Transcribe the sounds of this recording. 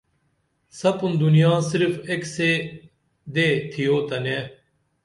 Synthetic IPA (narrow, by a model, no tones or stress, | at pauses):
sɐpʊnd̪ʊnijãːsɪɾfekseː | d̪eːt̪ʰijoːt̪ɐnẽː